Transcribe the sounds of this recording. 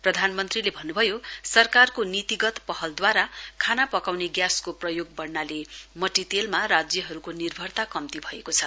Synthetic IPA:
prʌd̪ʱanmʌnt̪rilebʱʌnːubʱʌjosʌrkarkonit̪iɡʌt̪pʌhʌld̪waɾakʰanapʌkawneɡjaskoprʌjoɡ̚bʌrnalemʌʈit̪elmarad͡zjʌɦʌɾukonirbʱʌrt̪akʌmt̪ibʱʌekot͡sʰʌ

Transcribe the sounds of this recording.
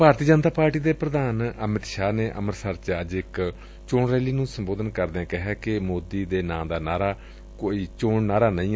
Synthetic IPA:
bʱaːɾt̪iːd͡ʒənt̪aːpaːɾʈiːd̪eːpɾəd̪aːnəmɪt̪ʃaːneːʔə̰məɾsəɾt͡ʃəd͡ʒɪk | t͡ʃoːɳɾɛːliːnũːsəmboːd̪ənkəɾd̪eɛ̃ːkɪɦɛːkɪmoːd̪iːd̪eːnãːd̪aːnaːɾaː | koːiːt͡ʃoːɳnaːɾaːnəĩː

